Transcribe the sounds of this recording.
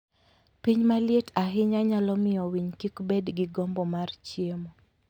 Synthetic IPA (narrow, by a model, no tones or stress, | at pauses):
piɲmaljetaɦɪɲaɲalɔmɪɔwiɲkikbedɡɪɡɔmbɔmart͡ʃjemo